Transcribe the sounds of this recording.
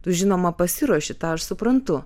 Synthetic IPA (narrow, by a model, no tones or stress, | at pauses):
t̪ʊʒʲɪnoːmɐpɐsʲɪɾuɔʃʲɪt̪ɑːɐʃsʊpɾɐnt̪ʊ